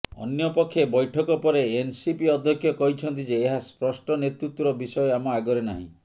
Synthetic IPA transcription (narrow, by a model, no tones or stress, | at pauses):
ɔ̰njɔpɔkʰːjebɔjʈʰɔkɔpɔɾeːnsipiɔd̪ʱjɔkʰːjɔkɔɦit͡ʃʰɔnt̪id͡ʒeːɦaspɾɔsʈɔnet̪ɾut̪wɔɾɔbisɔjɔamɔaɡɔɾena̰ɦḭ̃